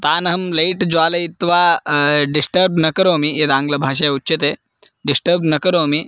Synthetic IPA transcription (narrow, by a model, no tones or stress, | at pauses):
t̪aːnɐɦɐmlejʈd͡ʑaːlɐit̪ʋaɖisʈəɾbnɐkəɾoːmied̪ãːŋɡlɐbʱaːʃ̬ɐjutːɕit̪e | ɖisʈəɾbnɐkəɾoːmi